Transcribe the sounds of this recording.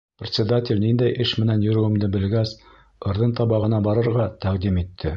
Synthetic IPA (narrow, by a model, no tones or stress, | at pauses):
pɾʲɪt̪ʲsʲɪd̪atʲɪlʲnind̪æjʔɘʃmɘ̆nænjŏɾɘ̆wɘ̆md̪ɘbɘ̆lɡæs | ɤ̆ɾðɤnt̪ɑβɑʁɤ̆nɑbɑɾɤ̆ɾʁɑt̪æqd̪imit̪ʰːɘ